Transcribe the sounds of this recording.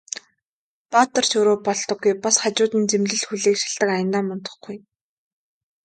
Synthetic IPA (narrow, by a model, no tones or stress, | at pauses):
pat̪ə̆r̥t͡ɕɵɾoːpɔɮt̪ɞ̆ɡːujpasχat͡ɕʊːt̪iːnt͡semɮɘ̆ɮxuɮiːkʃḁɮt̪ə̆kajə̆nt̪aːmɔnt̪ɞ̆χɡuj